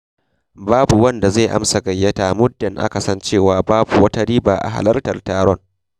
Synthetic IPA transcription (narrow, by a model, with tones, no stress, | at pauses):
baː˦bu˨wɐ˦nda˨zeː˦˨ʔa̰˦msa˨ɡɐ˨jːɐ˦taː˨mʊ˦dːɐ˨ŋʔa̰˦ka˨sɐ˦nt͡ʃeː˦˨waː˨˦baː˦bu˨wɐ˦ta˦ɽiː˦baː˨ʔa̰˨ɦa̰˨lɐ˦rtɐ˨rtaː˨ɾɔ˦ŋ